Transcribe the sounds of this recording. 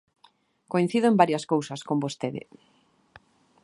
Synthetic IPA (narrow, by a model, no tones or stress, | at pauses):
koin̟θiðoembaɾjɐskowsɐskombost̪eðɪ̰